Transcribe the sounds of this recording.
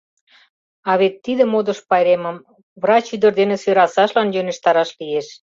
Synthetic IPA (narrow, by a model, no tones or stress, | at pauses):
ɑβet̪ːid̪ə̆mod̪ə̆ʃpɑjɾeməm | βrɑt͡ɕyd̪ə̆rd̪enĕsøɾɑsɑʃlɑnjønĕʃt̪ɑɾɑʃlijeʃ